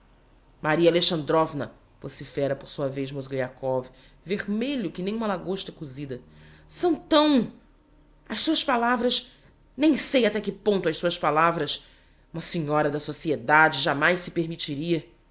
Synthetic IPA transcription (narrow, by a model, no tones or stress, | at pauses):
maɾiɐaleʃɐ̃nd̪ɾɔvnɐ | posifɛɾɐpoɾsuɐvejzmozɡejakɔvi | veʁmeʎʊkɪnẽj̃ũmɐlaɡoʃt̪ɐkuzid̪ɐsɐ̃w̃t̪ɐ̃w̃ | ɐʃsuɐspalavɾɐʃ | nẽj̃sejat̪ɛkɪpõñt̪ʊɐʃsuɐʃpalavɾɐs | ũmɐsiɲɔɾɐd̪ɐsosied̪ad͡ʒɪʒamajsɪpeɾmit͡ʃiɾiɐ